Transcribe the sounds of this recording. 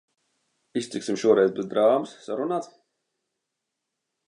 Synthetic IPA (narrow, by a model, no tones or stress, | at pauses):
ist̪siksimʃuɔɾɛjzbɛzd̪ɾaːmɨsːaɾunaːt̪